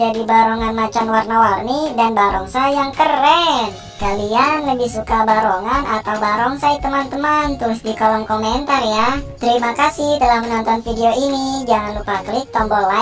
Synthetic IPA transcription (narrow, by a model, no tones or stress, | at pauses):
d͡ʒadibaɾɔŋanmat͡ʃanwarnawarnidanbaɾɔŋsajaŋkəɾɛn | kalianləbihsukabaɾoŋanʔat̪awbaɾɔŋsait̪əmant̪əmaant̪ɾʊsdikolɔmkomɛnt̪arjat̪əɾimakasɪhdalahmənɔnt̪ɔnfideoinid͡ʒaŋanlupaklɪk̚t̪ɔmbɔla